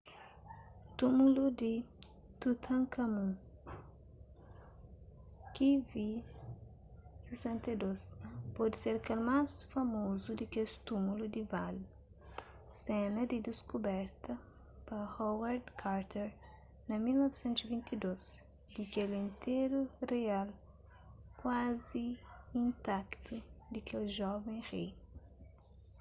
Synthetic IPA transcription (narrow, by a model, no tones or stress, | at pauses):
t̪umulud̪i | t̪ut̪ʰɐ̃ŋkʰɐmũ | kivi | sesɛ̃nt̪ɐd̪ospɔd̪iseɾkelmasfɐmozud̪ikest̪umulud̪ival | sɛnɐd̪id̪iskubɛɾt̪ɐ | pɐhɔwɛɾd̪kʰaɾt̪ɛɾ | nɐmilnɔvisẽnt̪uzivĩnt̪id̪oz | d̪ikelĩnt̪eɾureal | kwaziĩnt̪akt̪ʰud̪ɐkʰelʒɔvẽj̃ʁij